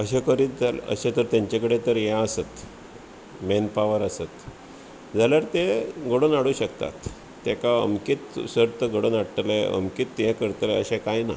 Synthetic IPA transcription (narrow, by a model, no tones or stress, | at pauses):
əɕekəɾiːt̪d͡zalə̰ɕẽt̪əɾt̪jãɲt͡ɕakəɽet̪əɾjãəsət̪ | menpaʋəɾəsət̪ | d͡zaljaɾt̪eɡəɽonaɽuːɕəkt̪a̰t̪ː | ekaə̰mkit̪səɾt̪əɡəɽonaɽʈleə̰mkiːt̪ːjɛ̃kəɾt̪leəɕẽkajna̰